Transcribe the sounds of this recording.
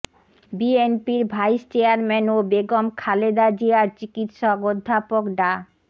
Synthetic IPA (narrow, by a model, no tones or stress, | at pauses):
bienpiɾbʱajst͡ɕeaɾmɛnobeɡomkʰaled̪ad͡ʑiaɾt͡ɕikit̪ʃɔkod̪ʱːapokɖa